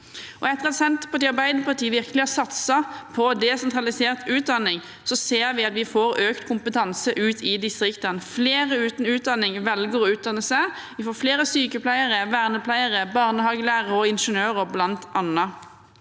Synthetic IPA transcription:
ʔɔɛt̪əʁɑt̪sɛnt̪pʰɑt̪ɪɑʁbæɪd̪əpʰɑʁʈ̪ʰiːʋɪʁkəlɪɑsɑt̪sɑpʰɔd̪ɛsɛnt̪ʁɑlɪseːʁt̪ʉːt̪̚d̪ɑnːɪŋ | sɔseːɾʋɪɑt̪ʋɪfoːɾøːkt̪kʰʊmpət̪ʰɑnsəʔʉːt̪ʰɪd̪ɪst̪ʁɪkt̪ənfleːʁəʉːt̪n̩ʉːt̪̚d̪ɑnːɪŋʋɛlɡəʁɔʉːt̪̚d̪ɑnːəsæɪ | ʋɪfoːfleːɾəsyːkəpʰlæɪəʁəʋæːʁnəpʰlæɪəʁəbɑːʁnəhɑːɡəlæːʁəɔɪnʂənøːʁəblɑnt̪ʔɑnə

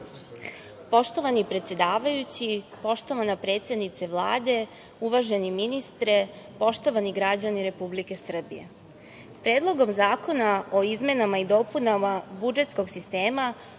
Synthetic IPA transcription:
po̞ʃt̪o̞ʋanipɾe̞t̪se̞d̪aːʋajut͡ɕipo̞ʃt̪o̞ʋanapɾe̞ːt̪sed̪nit̪seʋlˠaːd̪e̞ | uʋaʒe̞niminist̪ɾe | po̞ʃt̪o̞ʋaniɡɾad͡ʑaniɾe̞publike̞sr̩bḭje̞̰ | pɾeːd̪lˠo̞ɡo̞mzaːko̞nao̞izme̞namaid̪o̞punamabud͡ʒe̞t̪sko̞ɡsist̪eːma

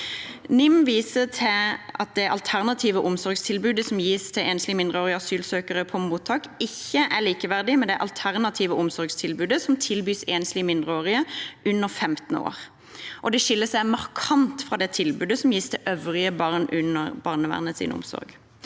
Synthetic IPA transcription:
nɪmʋiːsət̪ʰɪʔɑt̪̚d̪ɛʔɑ̰lt̪ʰæʁnɑt̪ʰiːʋəʔʊmsɔʁɡst̪ʰɪlbʉːd̪əsɔmjiːst̪ʰɛʔeːnslɪmɪnd̪ʁəoːʁɪəɑsyːlsøːkəʁəpʰɔmuːt̪ʰːɑːkɪçːəʔæliːkəʋæʁd̪ɪmɛnd̪ɛæʔɑ̰lt̪ʰæʁnɑt̪ʰiːʋəʔʊmsɔʁɡst̪ʰɪlbʉːd̪əsɔmt̪ʰɪlbyːseːnslɪmɪnd̪ʁəoːʁɪəʔʉnːəʁfɛmt̪n̩o̰ːʁ | ʔɔd̪ɛʃɪlːəsæɪmɑʁkʰɑnt̪fʁɑːd̪ɛt̪ʰɪlbʉːd̪əsɔmjiːst̪ʰɛʔœʋʁɪəbɑʁnʔʉnːəʁbɑʁnəʋæ̰ʁnəsḭnə̰ʊ̰msɔ̰ʁɡ

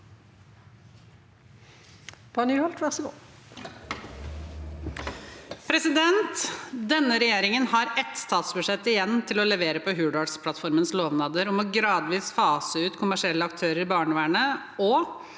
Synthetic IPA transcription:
pʰɑnyːhɔlt̪ʋæʁsɪɡo̰ː | pʰɾɛsɪd̪ɛnt̪d̪ɛnːəɾɛjeːɾɪŋənhɑɾɛt̪st̪ʰɑːt̪sbʉʂɛt̪ːɪjɛnːt̪ʰɪlɔlɛʋeːɾəpɔɦʉːɖɑɖspʰlɑt̪fɔɾmənsloːʋnɑːd̪əɾɔmɔɡɾɑːd̪ʋiːsfɑːsəʉːt̪kʰʊmæʂɪɛlːəɑkt̪ʰøːɾəɾɪbɑːɳəʋæːɳə | ɔ

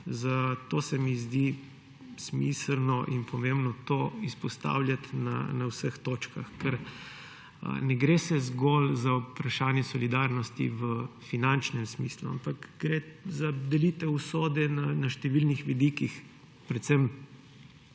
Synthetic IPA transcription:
zat̪oːsɛmizd̪i | smisəlnɔʔinpʰɔmemnɔt̪oːispɔst̪a̰ːwljat̪na̰nawsəxt̪oːt͡ʃka̰xkɛɾ̰ | nɛɡɾesɛzɡolzaupɾaʃaːnjɛsɔlid̪aːɾnɔst̪ḭʋəfinant͡ʃnɛmsmislua̰mpakɡɾezad̪ɛlit̪ɛusoːd̪ɛnanaʃt̪ɛʋilnixʋid̪ikix | pɾɛt̪sɛm

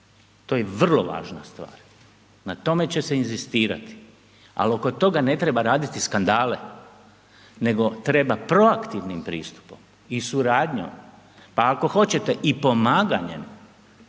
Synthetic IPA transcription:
t̪o̞jeʋr̩lo̞ʋa̰ːʒnast̪ʋa̰ːɾ | nat̪o̞me̞t͡ɕe̞seinzist̪iːɾa̰t̪i̥ | a̰lo̞ko̞t̪o̞ɡane̞t̪ɾe̞baɾaːd̪it̪iskand̪aːle̞ | ne̞ɡo̞t̪ɾe̞bapɾo̞akt̪iʋnimpɾḭːst̪u̥pom | isuɾaːd̪ɲo̰m | paako̞xo̞t͡ɕe̞t̪e̞ʔipo̞maːɡaɲḛm

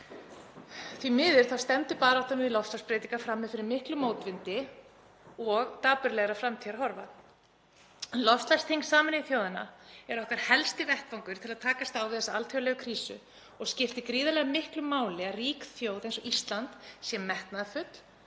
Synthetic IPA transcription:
θvimɪːðɪɾ̥θawst̪ɛmt̪ʏpaːðɾaawt̪anmɪðɪlɔfst̪aspɾɛːt̪iŋkafɾamːɛɪðfɪɾɪɾmɪhklʏmoːwt̪vɪnt̪ɪ | ɔɣt̪aːpʏɾlɛɣɾafɾamt̪ʰiaɾhɔɾva | nlɔfst̪last̪ʰiŋsaːmɪnɪɪθjoːwðɪna̰ɛɾɔhkaɾ̥hɛlst̪ɪvɛht̪vawŋkʏɾ̥t̪ʰɪlaðt̪ʰaːkast̪aːwvɪðɛsːaalt̪ʰjowlɛɣʏkʰɾiːsʏ̰ | ɔɣscɪft̪ɪkɾiːðalɛɣamɪhklʏmːaːwlɛɣariːkθjoːwðẽjnsɔʔist̪lant̪sjɛmːɛht̪naðafʏt̪l̥

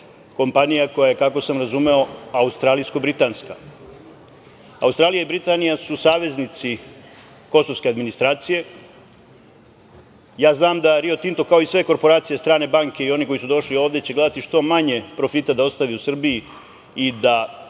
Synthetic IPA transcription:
ko̞mpanijako̞jaje̞kako̞samɾazume̞o̞aust̪ɾaːlijskobɾit̪aːnska | aust̪ɾaːlijaibɾit̪anijasusaːʋe̞znit̪si | ko̞so̞ʋskʲe̞ad̪minist̪ɾaːt̪sije̞ | jaːznaːmd̪aɾio̞t̪int̪okao̞isʋe̞ko̞ɾpo̞ɾaːt̪sijest̪ɾaːne̞baŋke̞io̞niko̞jisud̪o̞ʂlio̞ːʋd̪et͡ɕeɡle̞d̪at̪iʂt̪o̞maɲe̞pɾo̞fit̪ad̪ao̞st̪aʋiusr̩biji | id̪a

